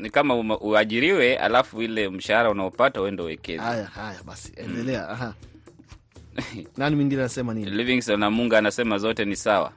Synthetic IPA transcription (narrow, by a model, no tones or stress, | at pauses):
nikamauʔuaʄiɾiwɛa̰lafuilɛm̩ʃahaɾaunaɔpatawɛndauwɛkɛzajahajaɓasi̥ɛdɛlɛaaɦa | nanimiŋɡinɛanasɛmaniliviŋsɔnamuŋɡaːnasɛmazɔtɛnisawa̰